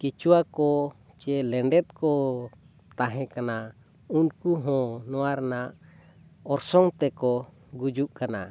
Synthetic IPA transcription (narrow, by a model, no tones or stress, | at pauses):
kit͡ʃuwakɔ | t͡ʃɛlɛɳɖɛt̪̚kɔ | t̪aɦɛ̃kana | unkuɦɔ̃nɔwaɾnaʔ | ɔɾsɔŋt̪ɛkɔ | ɡud͡ʒuʔkana̰